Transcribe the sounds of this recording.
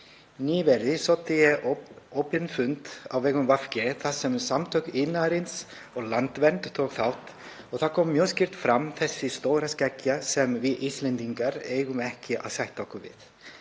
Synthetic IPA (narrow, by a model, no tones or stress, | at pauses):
niːvɛɾðɪsɔwt̪ɪjɛowpɪnfʏnt̪awvɛːɣʏmvafcɪθaðsɛmsamt̪ʰœɥkɪnaɾɪns | ɔɣlant̪vɛnt̪t̪ʰowkθawht̪ | ɔɣθakʰɔːmːjœːscɪr̥t̪fɾamθɛsːɪst̪oːwɾascɛcːasɛmvɪðʔist̪lɛnt̪iŋkaɾeːjɣʏmɛhcɪʔa̰ðsajht̪ɔhkʏvɪ̰ð